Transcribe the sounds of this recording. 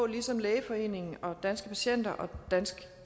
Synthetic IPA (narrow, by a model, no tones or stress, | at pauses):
lisɒ̽mleːɪəfɒ̽e̝̰ːne̝ŋn̩ɒ̽d̥ænsɡ̥əpʰæɕen̰d̥ɐʔɒ̽d̥ænsɡ̥